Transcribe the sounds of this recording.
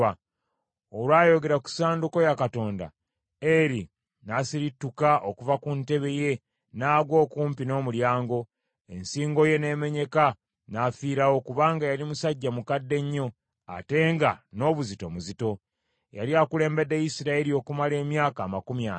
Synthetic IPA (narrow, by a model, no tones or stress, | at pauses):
olwaːjo̞ɡe̞ɾaku̥saːnduko̞jakato̞ːnda̰ | eɾi | nasiɾitːukaʔokuvakunte̞βe̞je̞ | naːɡwo̞ːkuːmpino̞ːmuljaːŋɡo̞ | e̞̰nsiːŋɡo̞je̞ne̞ːme̞ɲe̞ka | naːfiːɾawo̞kuβaːŋɡajalimusaɟːamukadːe̞ɲːo̞ | a̰te̞ŋɡano̞βuzito̞muzito̞ | ja̰liaːkule̞ːmbe̞dːe̞jisiɾaeɾio̞ːkumale̞ːmjaːkaːmakumja